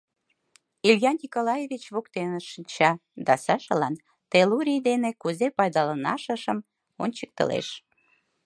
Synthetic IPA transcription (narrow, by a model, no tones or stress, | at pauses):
iljɑnnʲikolɑjevit͡ɕβokt̪enəʃint͡ɕɑd̪ɑsɑʃə̰̆lɑn | t̪eluɾʲijd̪enekuzepɑjd̪ɑlənɑ̰ʃə̆ʃə̆m | onʲt͡ɕək̚t̪ə̰lḛʃ